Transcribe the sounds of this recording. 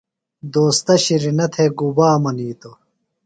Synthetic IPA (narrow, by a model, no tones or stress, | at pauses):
d̪oːst̪ɐɕiɾinɐt̪ʰeɡubaːmɐniːt̪o